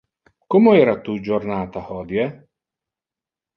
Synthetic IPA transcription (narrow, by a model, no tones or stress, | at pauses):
komoɛːɾat̪ud͡ʒornaːt̪ahɔd̪jɛ